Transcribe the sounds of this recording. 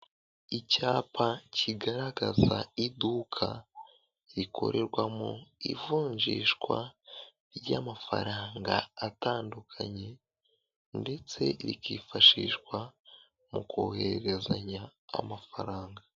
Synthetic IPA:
icaːpaciɡaɾaɡazaidukʰa | ɾikʰo̞̰ɾe̞ɾɡwamo̰ḭvuːɲʒiːʃkwa | ɾɟamafa̰ɾaːŋɡaːtaːndukʰaɲe̞ | nde̞t͡se̞̰ɾikiːfaʃiːʃɡwa | mukoːhe̞ɾeɾe̞zaɲa̰ːmafaɾaːŋɡa

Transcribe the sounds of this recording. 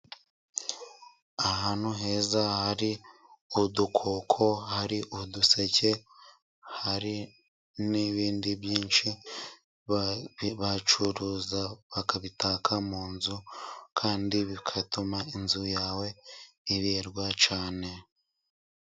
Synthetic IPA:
aɦan̥huɦe̞ːzahaɾi | udukʰokʰo̞haɾiʔuduse̞ce̞ | haɾi | niβiːndibjiːnʃi | βat͡ʃuɾuzaβakaβitaːkʰamuːnzukʰaːndiβikʰatumainzujaːwe̞iβeːɾɡwat͡ʃaːne̞

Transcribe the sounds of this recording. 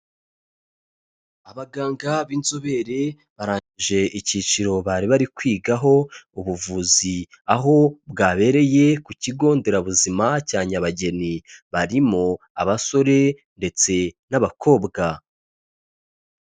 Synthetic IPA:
aβaɡaːŋɡaβiːnzoβe̞ɾe̞ | βaɾaːɲiʒe̞ʔicit͡ʃiɾo̞βaɾiβaɾikwiːɡaɦo̞uβuvuzi | aɦo̞bɡaːβe̞ɾe̞je̞kuciɡo̞ːnde̞ɾaβuzimacaːɲaβaɟe̞niβaɾimo | a̰βaso̞ɾe̞ | nde̞t͡se̞naβakʰo̞ːbɡa

